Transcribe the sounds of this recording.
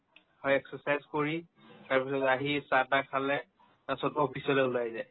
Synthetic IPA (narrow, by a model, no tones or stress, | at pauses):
hɔjɛksɔsajzkoɹi | taɹpisɔtaɦisatakʰalɛ | nasɔtɔpʰisɔlɛulajzaj